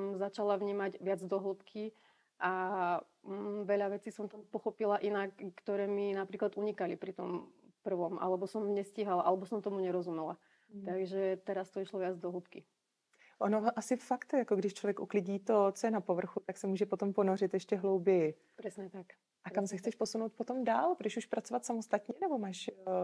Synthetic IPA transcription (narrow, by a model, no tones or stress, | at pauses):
zat͡ʃalaʋɲiːmaɟʋɪad͡zd̪ɔɦlupkʰi | ʔa | ʋɛʎaʋɛt͡siːsɔmt̪ampɔxɔpilaʔinakːt̪ɔɾɛːminapɾiːklad̪uɲikalipɾit̪ɔmpr̩ʋɔmʔa̰lɛbɔsɔmɲɛsciɦalaʔalɛbɔsɔmt̪ɔmuɲɛɾɔzumɛla | t̪aɡʒɛt̪ɛɾast̪ɔiʃlɔʋjad͡zd̪ɔɦlup̪ki | ʔonoʔasɪfakt̪jakoɡdɪʃt͡ʃlɔvjɛkʔṵklɪɟiːt̪ot͡sojɛnapovr̩xut̪aksɛmuːʒɛpot̪omponorɪt̪jɛʃcɛɦlowbjɛjɛ | pɾɛsɲɛt̪ak | ʔakamsɛxtt͡sɛʃposunoʊt̪̚pot̪omdaːlpɾɔɛuʃpɾat̪t͡sovat̪samost̪at̪ɲɛnɛbomaːʃ